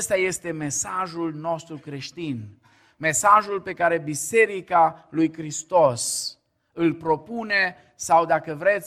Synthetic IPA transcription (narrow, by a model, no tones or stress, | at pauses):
st̪aje̞st̪e̞me̞saʒulno̞st̪ɾukɾe̞ʃt̪in | me̞saʒulpe̞kaɾe̞bise̞ɾikalujkɾist̪o̞s | ɨlpɾo̞pune̞ | sawd̪akəvɾe̞t̪sʲ